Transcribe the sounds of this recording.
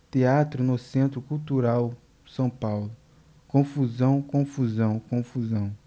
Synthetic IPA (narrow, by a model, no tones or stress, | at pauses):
t̪eat̪ɾʊnʊsẽnt̪ɾʊkuwt̪uɾaw | sɐ̃w̃pawlʊ | kõfuzɐ̃w̃kõfuzɐ̃w̃kõfuzɐ̃w̃